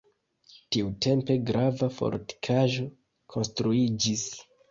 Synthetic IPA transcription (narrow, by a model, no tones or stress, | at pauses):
tiute̞mpe̞ɡɾavafo̰ɾti̥kʰaʒo̞ | kʰo̞nstɾuid͡ʒis